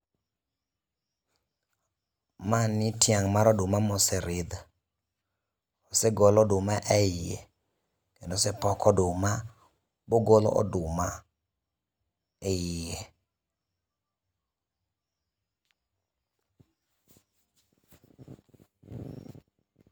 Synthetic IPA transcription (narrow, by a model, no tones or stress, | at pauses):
manɪtjaŋmaɾɔdʊmamɔsɛɾɪd̪a | osɛɡolɔdʊmaʔɛɪḛ | kendosɛpɔkɔdʊma | boɡolɔ̰ɔ̰dʊma | ɛɪje